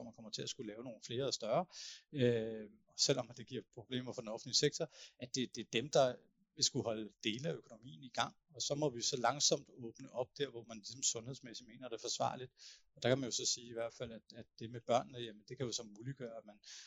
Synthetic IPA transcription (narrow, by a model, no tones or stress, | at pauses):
ɒmænkʰɒ̽m̰ɐt͡sʰe̝æsɡ̥ulɛːʊno̝ːn̩fle̝ːɐɒsd̥ɶɐø | ɒ̽sel̰ɒ̽md̥e̝ɡ̥iɐ̰pʰʁo̝b̥le̝̰ːmɐfɒ̽d̥enɒ̽fn̩liseɡ̥̚t͡sʰɒʔæd̥e̝d̥e̝d̥emd̥ɑ̈ | ʋe̝sɡ̥uhɒ̽ld̥e̝ːləæøkʰo̝no̝mḭːn̩iɡ̥ɑ̈ŋ̰ | ɒ̽sɒ̽mɒ̽ʋisɒ̽lɑ̈ŋsɒ̽m̰d̥ɔ̽ːb̥nəʔɒ̽b̥̚d̥æɐ̰ʋɒmænlisɒ̽msɔ̽nheð̰ˠsmesi̥me̝ːnɐd̥e̝fɒ̽sʋɑ̰̈ːlid̥ɒd̥ɑ̈kʰæmænjo̝sɒ̽siːiʋæɐ̰d̥fæl̰æd̥æ̥e̝meb̥ɶɐ̰nːəjæmənd̥e̝kʰæjosɒ̽mmuːliɡ̥ɶːɐæ̥mæn